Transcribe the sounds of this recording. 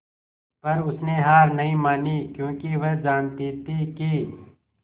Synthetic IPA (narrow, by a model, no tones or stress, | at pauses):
pɐɾʊsneɦaːɾnɐɦĩmaːnikjõːkiʋɐɦd͡ʒaːnt̪iːt̪ikiː